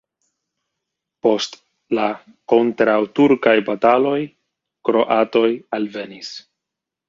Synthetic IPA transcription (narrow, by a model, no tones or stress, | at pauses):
po̞st | la | ko̞ntɾawtuɾkajbatalo̞j | kɾo̞ʔato̞jalve̞nis